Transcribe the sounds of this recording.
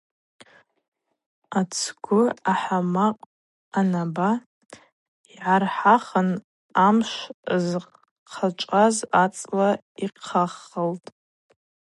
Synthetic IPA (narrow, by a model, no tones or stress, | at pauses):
at͡sʰɡʷʊaħamaqʼ | anaba | iʕarħaχən | amʃʷz | qʰat͡ʃʷʼazat͡sʼla | iqʰaχːəltʼ